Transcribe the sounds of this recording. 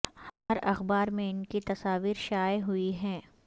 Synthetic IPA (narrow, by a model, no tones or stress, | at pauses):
hɐɾɐxbaːɾmẽɪnkit̪ɐsaːʋiːɾʃaːeɦʊiɦɛ̃ː